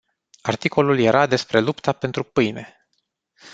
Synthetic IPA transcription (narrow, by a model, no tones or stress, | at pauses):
art̪iko̞lulje̞ɾʔad̪e̞spɾe̞lupt̪ʰape̞nt̪ɾupɨjne̞̰